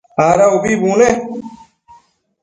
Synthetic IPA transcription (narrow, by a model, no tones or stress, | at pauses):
aːɾaobibũːle